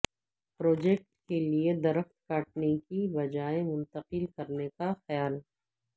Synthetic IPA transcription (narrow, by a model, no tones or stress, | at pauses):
pɾoːd͡ʒeːk̚ʈkelied̪ɐɾəxt̪kaːʈ̚nekibɐd͡ʒaːẽmʊ̃nt̪əqɪlkɐɾnekaxɐjaːl